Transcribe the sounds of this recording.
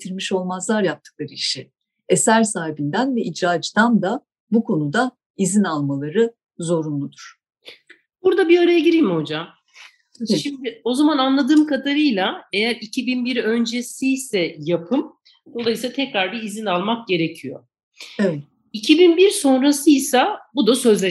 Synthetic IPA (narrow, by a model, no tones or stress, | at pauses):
t̪ʰiɾmiʃo̞lˠmazlˠaɾjap̚t̪ʰɯ̥klˠaɾɯiʃi | esæɾsaːɦibind̪ænvɛʔid͡ʒɾaːd͡ʒd̪and̪a | bukʰo̞nud̪a | izinalˠmalˠaɾɯ | zo̞ɾunlˠud̪uɾ̥ | b̥uɾd̪abiaɾajaɟiɾijmho̞d͡ʒam | ʃimd̪ɪo̞zamananlˠad̪ɯːmkʰad̪aɾɯjlˠaejæɾicʰibinbiɾø̞nd͡ʒesijsɛjapʰɯm | d̪o̞lˠajɯsˠat̪ʰɛcɾaɾd̪aizinalˠmak̚ɟe̞ɾecʰijo̞̰ | evɛt̪ | icʰibinbiɾso̞nɾasɯjsabud̪asø̞zlʲe